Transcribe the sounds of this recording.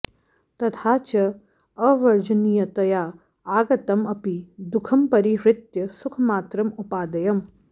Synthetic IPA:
t̪ɐt̪ʰaːt͡ʃɐ | ɐʋɐɾd͡ʒɐnijɐt̪ɐjaː | aːɡɐt̪ɐmɐpid̪ukʰɐmpɐɾiɾɪt̪jɐsukʰɐmaːt̪ɾɐmupaːd̪ɐjɐm

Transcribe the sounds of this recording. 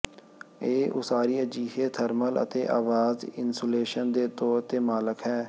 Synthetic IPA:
eːʔʊ̰saːɾiːəd͡ʒiːɦeːt̪ʰəɾmələ̰t̪ḛːʔaːʋaːzɪnsoːleːʃənd̪eːt̪oːt̪eːmaːləkɦɛː

